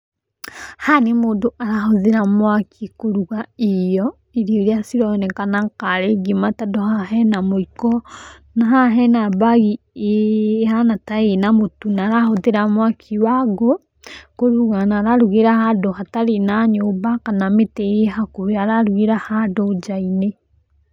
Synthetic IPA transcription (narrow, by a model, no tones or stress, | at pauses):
hanimoːndoʔaɾahoðeɾamwakʰikoɾuɣaejɔ | iɾioɾiasiɾɔnekanaŋkaɾeɡimatadohaɦɛnamoikɔ | naɦhaɦɛnabaɣi | hanataenamotunaɾahoðeɾamwakʰiwaɡo | koɾuɣanaɾaɾuɣeɾahadohataɾenaɲombakanametejeɦakoɾeaɾaɾuɣeɾahadod͡ʒaine